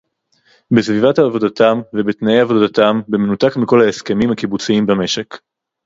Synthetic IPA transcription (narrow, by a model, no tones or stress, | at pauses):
besvivathaːvo̞datamvebetnaejavo̞datambeme̞nutakmiko̞laeske̞mimhakibut͡siimbame̞ʃe̞k